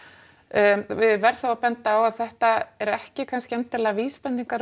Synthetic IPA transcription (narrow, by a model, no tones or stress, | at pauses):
vɪðvɛɾ̥θawapɛnt̪aːwaðθɛht̪aɛɾɛhcɪkʰanscɪɛnt̪ɪlɛɣaviːspɛnt̪iŋkaɾ